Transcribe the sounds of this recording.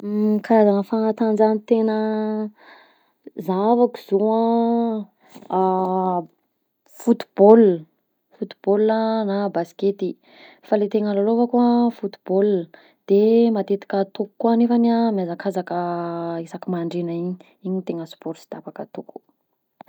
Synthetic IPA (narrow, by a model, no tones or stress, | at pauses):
kaɾazanəfaŋat̪and͡ʒanit̪enə | zavaki̥zoã | fut̪i̥b̥ol | fut̪i̥b̥olanabasket̪i | falet̪eŋalaloavakuəfut̪i̥bol | d̪̥emat̪et̪i̥kət̪uku̥kːwanefanamjazakazakəisakimaɳɖ͡ʐenaiɲi | iɲit̪eŋəspɔɾsi̥d̪apakət̪uku̥